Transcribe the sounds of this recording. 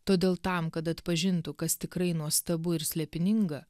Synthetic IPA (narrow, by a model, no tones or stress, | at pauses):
t̪oːd̪ʲeːlˠt̪ɐmkɐt̪ɐt̪pɐʒʲɪnt̪ʊkɐst̪ʲɪkɾɐɪnuɔst̪ɐbʊɪɾsʲlʲɛpʲɪnʲɪŋɡɐ